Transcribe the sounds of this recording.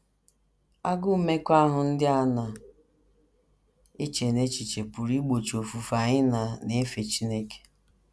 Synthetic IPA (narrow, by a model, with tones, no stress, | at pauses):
a˦ɡʊ˦˨me˦kʷa˦ɦʊ˨n̩˦dɪ˦a˦na˨ | e˦t͡ʃe˨ne˦t͡ʃi˨t͡ʃe˨pʊ˨ɾi˦ɡ͡bo˨t͡ʃo˨fu˨fa˨ɲɪ˦na˨ne˦e˦fe˨t͡ʃi˦ne˦ke̥˨